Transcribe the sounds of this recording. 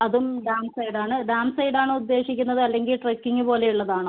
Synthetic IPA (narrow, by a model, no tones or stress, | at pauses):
ɐðumɖaːnsɐjɖaːɳɨɖaːnsɐjɖaːɳɨud̪ːe̞ːɕikʲːunːɐðɨɐlːe̞ŋɡilʈrɐkːiŋːɨpo̞ːle̞juɭːɐðaːɳɨ